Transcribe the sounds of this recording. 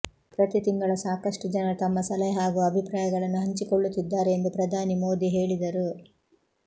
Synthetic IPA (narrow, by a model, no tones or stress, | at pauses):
pɾɐt̪it̪iŋɡɐɭɐsaːkɐʂʈud͡ʒɐnɐt̪ɐmːɐsɐlɛɦaːɡuɐbʱipɾaːjɐɡɐɭɐnːuɦɐɲt͡ʃikoɭːut̪ːid̪ːaːɾeend̪upɾɐd̪ʱaːnimo̞ːd̪iɦe̞ːɭid̪ɐɾu